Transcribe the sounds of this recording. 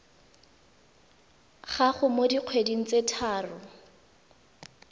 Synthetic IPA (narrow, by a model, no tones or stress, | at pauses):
χaχʊmodiq͡χʰwediŋ̩t͡setʰaːrʊ